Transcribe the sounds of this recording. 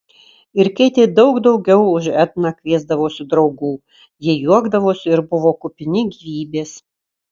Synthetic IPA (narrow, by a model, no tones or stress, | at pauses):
ɪɾkʲɛɪt̪ʲeːd̪ɒʊɡd̪ɒʊɡʲɛʊʊʒɛt̪nɐkʲʋʲiɛzd̪ɐʋoːsʲɪd̪ɾɒʊɡuː | jiɛjuɔɡd̪ɐʋoːsʲɪɾbʊʋoːkʊpʲɪnʲɪɡʲiʋʲiːbʲeːs